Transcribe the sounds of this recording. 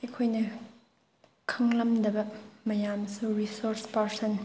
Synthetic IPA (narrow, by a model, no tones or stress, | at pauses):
ikʰojnɐ | kʰɐŋlɐmd̪ɐbɐmɐjaːmsurisɔɾspɐɾsɐn